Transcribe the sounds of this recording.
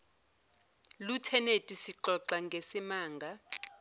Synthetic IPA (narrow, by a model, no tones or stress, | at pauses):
lutʰɛnetʼisiǃɔǀaŋɡʱesimaːŋɡʱa